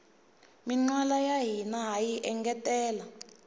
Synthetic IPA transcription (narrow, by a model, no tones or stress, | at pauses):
miŋ͡ǀwalajaɦinaɦajiʔɛŋɡɛtʼɛːla